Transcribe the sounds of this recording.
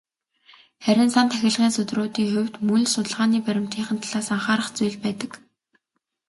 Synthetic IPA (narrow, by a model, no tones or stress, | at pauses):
χæɾʲɪ̆nsant̪ʰæxʲɪ̆ɮʁiːnsɵt̪rʊːt̪iːŋxʊwʲt̪munʲsʊt̪ə̆ɮʁaːniːpæɾʲɪ̆mt̪iːɴχə̆nt̪ʰaɮaːsaɴχaːɾə̆χt͡sujɮpæːt̪ə̆k